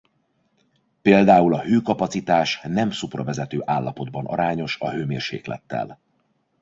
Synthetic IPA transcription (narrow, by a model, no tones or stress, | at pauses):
peːld̪aːulɒhøːkɒpɒt̪sit̪aːʃnɛmsuprɒvɛzɛt̪øːʔaːlːɒpo̞d̪bɒnʔɒ̰ɾaːɲo̞ʃɒɦøːmeːrʃḛːklɛ̰t̪ːɛ̰l